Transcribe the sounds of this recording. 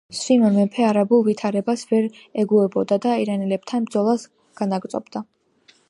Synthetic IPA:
sinɔmɛpʰɛaɾabulˠvit̪ʰaɾɛbasvɛɾɛɡuɛbɔd̪ad̪aiɾanilɛb̚t̪ʰanbd̪zɔlˠas | ɡ̥anaɡt̪sʼɔ̰bd̪a

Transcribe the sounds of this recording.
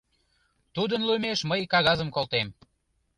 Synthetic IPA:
t̪ud̪ənlumeʃməjkɑɣɑzəmkolt̪em

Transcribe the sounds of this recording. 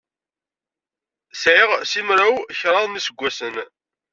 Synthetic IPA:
sʕɪʁsimɾawçɾˤɑðˤmisəɡʷːæsən

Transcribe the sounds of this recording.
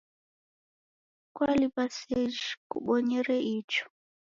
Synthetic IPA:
kwalipasɛd͡ʒkṵɓɔɲɛɾɛʔit͡ʃɔ̥

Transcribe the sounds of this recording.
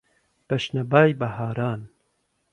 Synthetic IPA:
b̥ɐʃnɐbaːjbɐɦaːɾaːn

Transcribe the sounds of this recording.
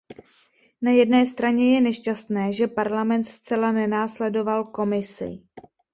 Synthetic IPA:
najɛdnɛːst̪ɾaɲɛjɛnɛʃcast̪nɛːʒɛpaɾlamɛnt̪st͡sɛlanɛnaːslɛdo̞valko̞mɪsɪ̰

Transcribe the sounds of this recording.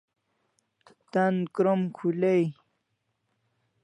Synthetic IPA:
t̪ankɾomkʰulej

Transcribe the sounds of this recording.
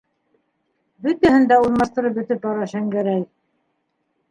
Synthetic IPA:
bɵt̪æhɘ̆nd̪æulˠmɑʃt̪ɤ̆ɾɤp̚bɵ̆t̪ɘp̚t̪ɑɾɑʃæŋɡæɾæj

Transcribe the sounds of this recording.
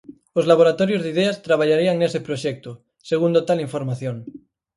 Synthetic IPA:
ozlaβ̞oɾat̪oɾjozðiðeast̪ɾaβ̞aʎaɾiaŋnesepɾoʃek̚t̪o | seɣ̞und̪ot̪aliɱfoɾmaθjoŋ

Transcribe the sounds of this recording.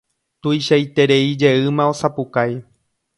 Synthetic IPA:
t̪ujʃajt̪e̞ɾe̞id͡ʒe̞ɨmão̞sapukaj

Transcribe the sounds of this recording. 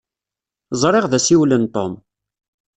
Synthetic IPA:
zˤɾˤeʁðæsiwlənt̪ɔm

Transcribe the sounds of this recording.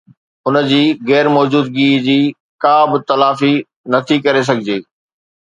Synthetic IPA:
ʊnə̆d͡ʑiːɣɛːɾmɔːd͡ʑuːd̪̚ɡiːd͡ʑiː | kaːbɪt̪ɐlaːfi | nɐt̪ʰikɐɾes̬ɐɡʱɪd͡ʑeː

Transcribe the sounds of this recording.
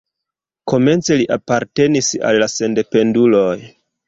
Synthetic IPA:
ko̞me̞nt͡se̞liʔapaɾte̞nisa̰lːase̞nde̞pe̞ndulo̞j

